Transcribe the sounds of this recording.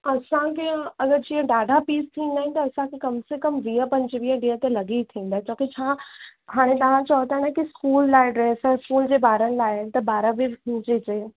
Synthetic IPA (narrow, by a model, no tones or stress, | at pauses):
ɐsãkeɐɡəɾd͡ʑiːə̃ɖaːɖʱapiːst̪ʰĩːnd̪aːɦɪ̃nt̪ɐːsãkʰekɐmsekɐmʋiəpɐ̃ɲd͡ʑʋiə̃ɖiːət̪elɐɡiit̪ʰĩːnd̪aːẽt͡ɕõːkit͡ɕʰãɦaːɽ̃et̪ɐʋ̤ãt͡ɕɔːt̪ãnaɦkiskuːlːaːɪɖɾeːsɛ̃skuːld͡ʑeːbaːɾənɪ̆laːɪt̪ɐbaːɾaʋiɦũːd͡ʑed͡ʑe